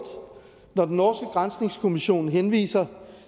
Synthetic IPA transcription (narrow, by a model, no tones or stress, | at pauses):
d̥ | nɒd̥enːɒːsɡ̥əɡ̥ʁansne̝ŋskʰo̝miɕo̝̰ːnɦenʋḭːsɐ